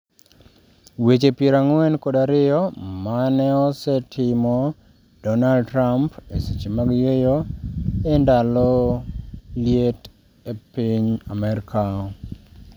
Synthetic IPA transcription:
wet͡ʃepjeɾaŋwɛnkodaɾɪjɔmanɛɔsɛtʰɪmɔ | d̥ɔnaltɾampesit͡ʃemaɡjejoendalɔ | ljet | epiɲa̰mɛɾkʰa

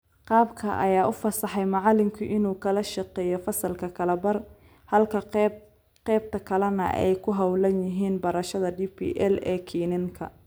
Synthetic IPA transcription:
qɑːbkʰɐ̰ʔɐ̰jaːʊfɐsɑħɛjmɑʕɑlɪmkʰʊʔɪnuːkʰɐlɐʃɑqɛːjɔfɐsɐlkʰɐkʰɐlɐbɐr | hɐlkʰɐ | qɛːb̚t̪ʰɐkʰɐlɐnɐ̰ʔɛ̰jkʰʊɦɐwlɐnjɪɦiːnbɐɾɐʃɐðɐɖiːpʰḭːʔɛlɛːkʰiːnɪŋkʰɐ̰

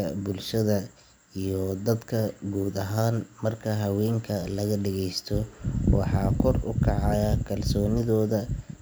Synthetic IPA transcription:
ɐbʊlʃɐðɐ | ijɔd̪ɐd̪kʰɐɡuːd̪ɐɦaːnmɐrkʰɐɦɐwɛːŋkʰɐlɐɣɐɖɛɣɛjst̪ʰɔwɑ̰ħɑːkʰɔrʊ̰kʰɑʕɑjɐkʰɐlsɔːnɪðɔːðɐ

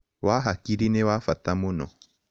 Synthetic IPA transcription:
waɦakiɾinewafatamʊnɔ̰

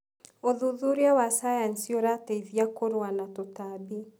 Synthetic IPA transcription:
oðuðuɾeawasajansioɾateiðiakoɾwanatotabi

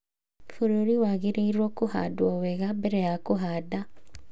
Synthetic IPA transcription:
foɾoɾiwaɣeɾeiɾwɔkoha̰dwɔwɛɣabɛɾɛjakoɦada

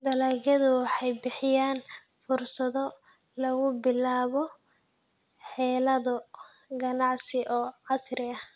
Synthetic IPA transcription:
d̪ɐlaːɣɐðʊwɑħɑjbɪħɪjaːn | fʊrsɐðɔ | lɐɣʊbɪlaːβɔ | ħɛːlɐðʊ | ɡɐnɑʕsɪʔɔːʕɑsrɪɐh

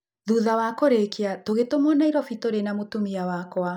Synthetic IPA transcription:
ðuðawakoɾekiatoɣetomɔnaiɾɔfitoɾenamotumiawakoa

